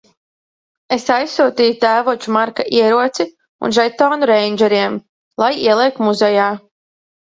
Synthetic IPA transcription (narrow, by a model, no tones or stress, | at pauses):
esajsːuːt̪iːjut̪æːvuɔt͡ʃumaɾkaʔiɛɾuɔt̪si | ṵnʒɛjt̪ɔːnuɾɛjnʲd͡ʒɛɾiɛm | lˠajiɛlˠiɛk̚t̪muzɛjaː